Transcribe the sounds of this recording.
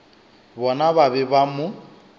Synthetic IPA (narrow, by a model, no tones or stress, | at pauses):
bɔnaβaβɪbamʊ